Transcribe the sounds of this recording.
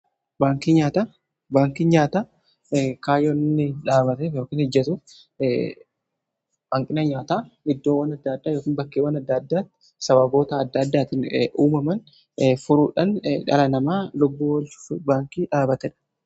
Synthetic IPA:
baːŋkiːɲaːt̪a | baːŋkiɲaːt̪aː | kaːjonɪnːɪᶑaːbɐt̪eːfjo̞ːkiːnhɛd͡ʒːɐt̪uːf | ʔɐŋkʼɪnɐɲaːt̪aːɪd̪ːoːwːɐnɐd̪ːɐːd̪ːaːjoːkiːnbɐkːeːwɐnɐd̪ːɐd̪ːaːt̪ːɪ̥ | sɐbɐbo̞ːt̪ɐːd̪ːɐd̪ːaːt̪ɪnʔuːmɐmɐn | fʊɾuːᶑɐnᶑɐ̰lɐnɐmaːlʊbːuːwlbaːŋkiːᶑaːbɐt̪ɛᶑɐ̥

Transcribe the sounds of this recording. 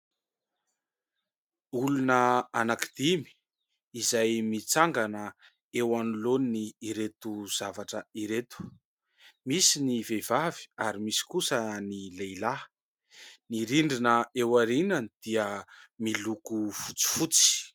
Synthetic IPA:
ulunəanakid̪̥imi̥ | izajmit͡saŋɡanə | ewanulonniːɾet̪uz̥avaʈ͡ʂəiɾet̪u̥ | misinivevavi̥aɾimisi̥kusənilejla | niɾiɳɖ͡ʐinəewaɾinanid̪̥iəmilukufut͡si̥fut͡si̥

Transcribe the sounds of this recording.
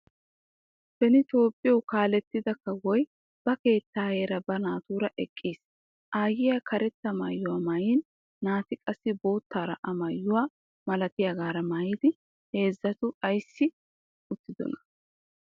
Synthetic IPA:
bɛnɪt̪o̞ːpʼːɪjɛwkaːlɛt̪ːɪd̪ɐkːɐwɔj | b̥ɐke̞ːt̪ːaːheːɾɐbɐnaːt̪uːɾɐʔɛkʼːiːs | ʔaːjɪjakʰɐɾɛt̪ːɐma̰jːʊwamaːjɪːnː | aːt̪ɪkʼɐsːɪbo̞ːt̪ːaːɾɐʔɐmɐjːʊwa | mɐlɐt̪ɪjɐɡaːɾɐmaːjɪd̪ɪ | he̞ːzːɐt̪ʊɐjsːɪ | ʊt̪ːɪd̪ɔ̰nɐ̥

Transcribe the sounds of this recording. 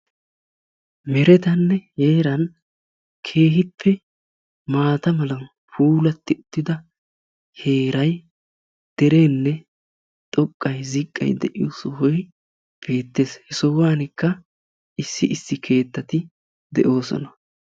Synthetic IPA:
mɛɾɛt̪ɐnːɛhe̞ːɾɐn | kʰe̞ːɦɪpːɛ | maːt̪ɐmɐlɐn | fuːlɐt̪ːɪʊt̪ːɪd̪ɐ | he̞ːɾɐj | d̪̥ɛɾeːnːɛ | t̪ʼɔkʼːɐjzɪkʼːɐ̰jd̪ɛʔɪjɔ̰sɔhɔj | b̥e̞ːt̪ːe̞ːshɛsɔwaːnɪkːɐ | ʔɪsːɪʔɪsːɪkʰe̞ːt̪ːɐt̪ɪ | d̪ɛʔo̞ːsɔ̰nɐ

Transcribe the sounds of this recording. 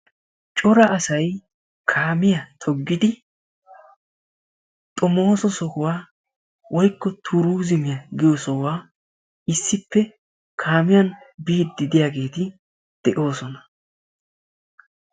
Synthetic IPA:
t͡ʃʼɔɾɐɐsɐj | kʰaːmɪjɐt̪ʰɔɡːɪd̪ɪ | t̪ʼɔmo̞ːsɔsɔhʊwaː | wɔjkːɔt̪ʰuɾuːzɪmɪjɐɡɪjɔsɔwaː | ɪsːɪpːɛ | kʰaːmɪjɐnbiːt̪̚d̪ɪd̪ɪjaːɡe̞ːt̪ɪ | d̪̥ɛʔo̞ːsɔnɐ̥

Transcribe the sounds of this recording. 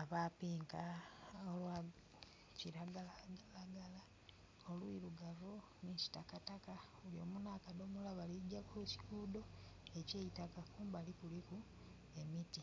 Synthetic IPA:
aβapiːŋkaolwa | ciɾaɡalalaɡala | olwiluɡavo | niʃi̥takataka | uljo̞̰ːmunakadomulaβaliɟakuuci̥ɡudo̞eceːjitakakuːmbalikuliku | e̞miti

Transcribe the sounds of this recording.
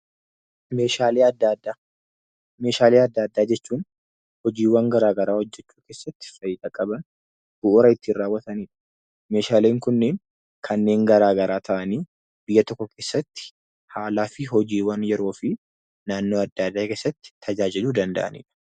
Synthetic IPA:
meːʃaːleɐd̪ːad̪a | me̞ːʃaːleːɐd̪ːaːd̪ːaːd͡ʒɛt͡ʃːuːn | hɔd͡ʒiːwɐŋɡɐɾaːɡɐɾaːhɔd͡ʒːɛt͡ʃːuːkeːsːɐt̪ːɪ̥fɐjɪd̪ɐkʼɐbɐn | b̥ʊʔʊɾɐɪt̪ːɪrːaːwːɐt̪ɐniːᶑɐ̥ | me̞ːʃaːleːŋkʊnːeːn | kʰɐnːe̞ːŋɡɐɾaːɡɐɾaːt̪ʰɐʔɐniː | b̥ɪjːɐt̪ɔkːɔkʰeːsːɐt̪ːɪ̥ | haːlaːfɪɦɔd͡ʒiːwɐnjɛɾo̞ːfɪ | naːnːoːɐd̪ːɐd̪ːaːke̞ːsːɐt̪ːɪ̥t̪ʰːɐd͡ʒaːd͡ʒɪluːd̪ɐnd̪ɐ̰ʔɐ̰nḭːᶑɐ̥

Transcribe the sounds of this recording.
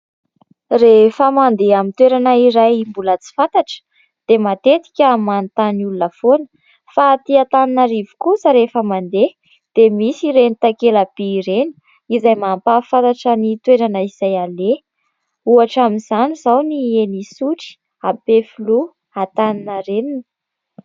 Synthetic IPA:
refəmand̪eamint̪weɾanaiɾajimbulət͡si̥fant̪aʈ͡ʂə̥ | d̪̥emat̪et̪i̥kʲəmant̪aniulunəfonə̥ | fat̪iat̪aninaɾivu̥kusəɾefəmand̪e | d̪̥emisiɾenit̪akelab̥iːɾeni̥ | izajmampafant̪aʈ͡ʂənit̪weɾanəiz̥ajale | uaʈ͡ʂaminzanizawnienisuʈ͡ʂi̥ | apefulu | at̪aninəɾeninə̥

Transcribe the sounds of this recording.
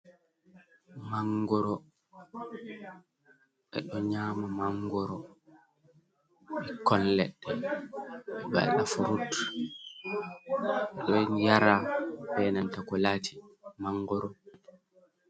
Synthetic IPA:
maŋɡɔɾɔ | ɛ̰ɗɔɲaːmamaŋɡɔɾɔ | ɛkɔllɛ̰ɗɛ | ɓɛba̰lɗafuɾut | ɛɗɔjaɾabɛːnantakɔlaːtʰi̥maŋɡɔɾɔ

